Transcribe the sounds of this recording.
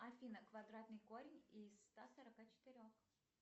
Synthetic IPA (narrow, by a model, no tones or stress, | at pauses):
ɐfʲinəkvɐd̪ɾat̪nɨjkoɾʲɪnʲisːt̪asəɾɐkat͡ɕɪ̥t̪ɨɾʲox